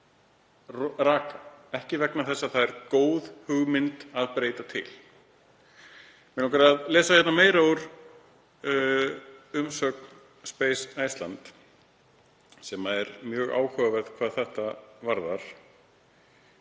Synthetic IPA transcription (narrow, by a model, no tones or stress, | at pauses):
rraːkaɛhcɪvɛknaθɛsːaðθaðɛɾkoːwðhʏɣmɪnt̪aðpɾeːjt̪at̪ʰɪ̰l | mɛɔŋkaɾaðlɛːsajɛt̪nameːjɾaʏɾ | ʏmsœk̚n | speːjsaːjst̪la̰nt̪ | sɛːmaɛɾmjœːɣa̰ːwhœvɛðkʰv̥aːðθɛht̪avaɾða̰ɾ̥